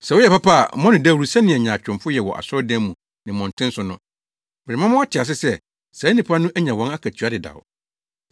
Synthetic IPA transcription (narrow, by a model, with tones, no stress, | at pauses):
sɛ˨wʊ˦jɛ˨pa˦pʰa˦a̰˨mɔ̃˦nɪ̃˨dæ˦wu˨sɛ˦nɪ̃˨ɛ˨ɲã˨t͡ɕᶣʊ̃˨mfʊ˦jɛ˨wɔ̰˨ʔa̰˨sɔ˦dɛ̃˦mũ˨ | nɪ̃˨mɔ̃˨n˨tʰɪ̃˦n̩˦sʊ˨nʊ̰̃˨ | bɾɪ˨mã˦mʊ̃˦a˦t͡ɕʰɪ˨a˨s̬ɪ˦sɛ˦ | sɛ˨˦nĩ˨pʰa˦nʊ̃˦ʔæ˦ɲã˨wɔ̃˦na˦kʰæ˨tʰɥa˦dɪ˨da̰˨w̰